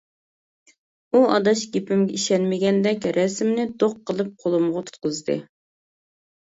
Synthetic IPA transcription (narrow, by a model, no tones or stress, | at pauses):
uɑ̰d̪ɑʃɡʲepɪmɡʲɛiʃɛnmɪɡʲɛnd̪ɛkʲɾɛsmnɪd̪oqʰːəlˠɨp̚qʰolˠumʁɑt̪ʰu̥t̪̚qʊzd̪ɨ̰